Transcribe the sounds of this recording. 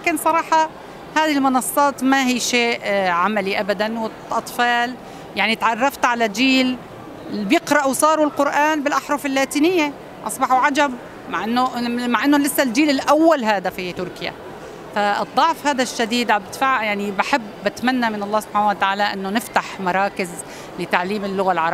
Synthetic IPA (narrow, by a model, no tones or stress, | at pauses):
lakɪnsˤɑɾˤɑːħɑ | haːðilmʊnɑsˤːɑːt̪maɦiːʃeːʔʕamaliʔabad̪anwɪ | ʔɑt̪ˤfɑːl | jaʕnit̪ʕɑrˤːɑft̪ʕalad͡ʒiːl | bjɪqɾˤɑʔwsˤɑːɾuɪlqʊɾʔaːnbɪlʔaħɾˤʊfɪlːaːt̪iːnɪjːe | ʔɑ̰sˤbɑħuʕad͡ʒab | maʕʔɪnːomaʕʔɪnːolɪsːald͡ʒiːlɪlʔawːalɦaːd̪afit̪ʊɾkɪja̰ | faɨd̪ˤːɑʕfhaːd̪aʃːad̪iːd̪ʕabɪt̪faʕjaʕnibaħɪbːɪt̪manːamɪnɑlˤːɑːsʊb̥ħaːnawat̪aʕaːlaʔɪnːonɪft̪aħmɑɾˤɑːkɪz | lɪt̪aʕliːmɪlːʊɣalʕɑɾˤ